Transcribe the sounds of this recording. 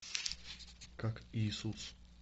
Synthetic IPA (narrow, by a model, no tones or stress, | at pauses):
kakiːsut͡s